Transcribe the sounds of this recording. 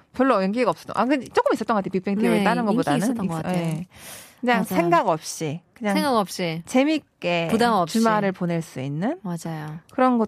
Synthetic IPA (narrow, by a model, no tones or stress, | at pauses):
pjʌɭːʌjʌŋɡiɡaʌps͈ʌt͈ŋʔakɯt͡ɕ͈ok͈ɯmis͈ʌt͈ʌŋɡʌatʰepip͈ʰeŋtiet͈anɯnɡʌp̬odanɯntajee | kɯɲaŋsʰeŋɡaɡʌp̚ɕ͈ikɯɲaŋeŋɡaʌp̚ɕ͈it͡ɕe̞mik͈e̞udat͡ɕumaɾɯɭponeɭs͈uinːɯnmad͡ʑajokɯɾʌnɡʌ